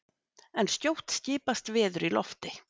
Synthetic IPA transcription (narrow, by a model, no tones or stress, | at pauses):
ɛnscowht̪scɪːpast̪vɪːðʏɾilɔ̰ft̪ɪ